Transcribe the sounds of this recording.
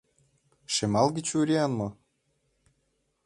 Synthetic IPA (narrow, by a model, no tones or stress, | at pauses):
ʃemɑlˠɡʲit͡ɕuɾʲiɑnmɤ̆